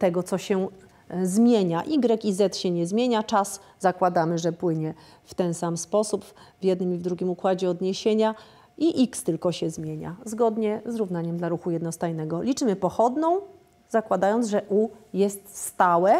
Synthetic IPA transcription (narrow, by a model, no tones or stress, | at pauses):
t̪ɛɡɔt̪sɔɕɛ | zmʲjeɲaʔiɡɾɛkizɛt̪ɕɛɲɛzmʲjeɲat͡ʂas | z̥akwad̪amɘʐɛpwɘɲɛ | ft̪ɛnsamspɔsupvʲjɛd̪nɘmivd̪ɾuɡʲimukwad͡ʑɛɔd̪ɲeɕeɲa | iʔikst̪ɘlkɔɕɛzmʲjeɲa̰zɡɔd̪ɲɛzɾuvnaɲɛmd̪laɾuxujɛd̪nɔst̪ajnɛɡɔlʲit͡ʂɘmɘpɔxɔd̪nɔ̃w̃ | zakwad̪ajɔnt̪ʐɛʔujɛst̪st̪awɛ